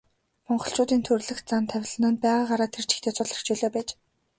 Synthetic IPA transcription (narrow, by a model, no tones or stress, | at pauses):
mɔɴɢɞ̆ɬt͡ɕʊːt̪iːnt̪ʰɵrɮɘ̆xt͡sant̪ʰæw̆ʲɮə̆nə̆n̚pæːʁaːɢaɾaːt̪ʰer̥t͡ɕʰi̥xt̪ʰeːt͡sʊɮə̥̆kt͡ɕuːɮoːpæːt͡ɕ